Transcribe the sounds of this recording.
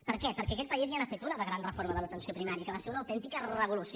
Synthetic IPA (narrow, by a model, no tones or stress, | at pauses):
pəɾkɛpəɾkɛəkɛt̪̚pəizianafet̪unəðəɣɾanrəfoɾməðələt̪ənsiopɾimaɾiəkəβaseɾunəwt̪ɛnt̪ikərəβ̞ulus